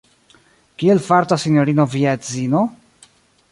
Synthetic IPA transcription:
kielfaɾt̪asinjoɾino̞viazino

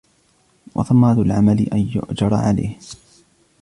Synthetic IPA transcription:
wʔɑ̰θɑmːaːd̪ʊlʕamalɪʔanjʊ̰ʔd͡ʒɑɾˤɑʕala̰jh

